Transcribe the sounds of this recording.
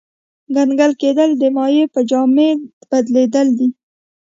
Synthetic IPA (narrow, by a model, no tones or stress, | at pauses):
ɡanɡalked̪əld̪əmɑjepəd͡ʒɑmeb̥ad̪led̪əld̪i